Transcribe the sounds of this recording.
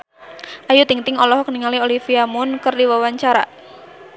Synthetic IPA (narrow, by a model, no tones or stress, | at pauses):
ʔajut̪iŋt̪ɪŋɔlɔɦɔkəniŋaliolifiamʊnkərdiwawaɲt͡ʃaɾa̰